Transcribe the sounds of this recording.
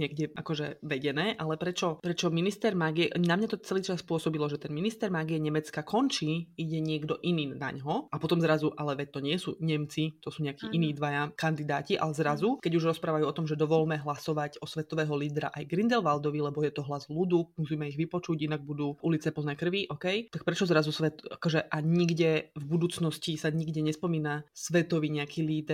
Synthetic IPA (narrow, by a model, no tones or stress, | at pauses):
ɲɛɡɟɛʔakɔʒɛʋɛɟɛnɛːʔalɛpɾɛt͡ʃɔpɾɛt͡ʃɔminist̪ɛɾmaɡiɛnamɲat̪ɔt͡sɛliːt͡ʃaspʊɔsɔbilɔʒɛt̪ɛnminist̪ɛɾmaɡiɛɲɛmɛt͡skakʰɔnt͡ʃiːiɟɛɲɪɛɡd̪ɔʔiniːna̰ɲɦɔapɔt̪ɔmzɾazuʔalɛʋɛct̪ɔɲɪɛsṵːɲɛmt͡sit̪ɔsuːɲɛakiːʔiniːd̪ʋajakand̪id̪aːciʔa̰lɛzɾazukɛɟuʒɾɔspɾaːʋajuːɔt̪ɔmʒɛd̪ɔʋɔʎmɛɦlasɔʋaɟɔsʋɛt̪ɔʋɛːɦɔliːd̪ɾa̰ʔajɡɾind̪ɛlʋald̪ɔʋilɛbɔjɛt̪ɔɦlazlud̪umusiːmɛiɣʋipɔt͡ʃuɟinaɡ̚bud̪uːʔulit͡sɛpɔlnɛːkr̩ʋiʔɔkɛjt̪ak̚pɾɛt͡ʃɔzɾazusʋɛt̪a̰kɔʒɛʔaɲiɡɟɛvbud̪uːt͡snɔscisaɲiɡɟɛɲɛspɔmiːnasʋɛt̪ɔʋiɲɛakʰiːliːd̪